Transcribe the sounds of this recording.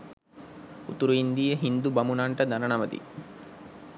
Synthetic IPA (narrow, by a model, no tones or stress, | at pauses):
ut̪uɾuind̪ijəɦind̪ubamunaɳʈəd̪anənɐməd̪ḭ